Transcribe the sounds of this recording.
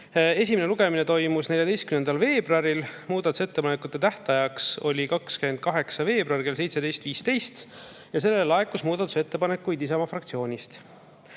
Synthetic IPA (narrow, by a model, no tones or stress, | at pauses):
e̞sʲimene̞luɡ̥e̞mine̞t̪o̞jmusne̞lʲjɑd̪e̞jst̪kymnend̪̥ɑlve̞ːb̥rɑɾilmuːd̪̥ɑt̪use̞t̪ːepɑnekːˑut̪ˑːe̞t̪æht̪ɑjɑkso̞̰lʲikɑkskymend̪̚kɑɦe̞ksɑve̞ːb̥rɑrke̞ls̬ejt̪se̞d̪ejst̪viːst̪e̞jst̪ | jɑs̬e̞lːelɑekːˑusmuːd̪̥ɑt̪ːˑu̥se̞t̪ːe̞pɑne̞kːujd̪isɑmɑfrɑk̚t̪sio̞ːnʲist̪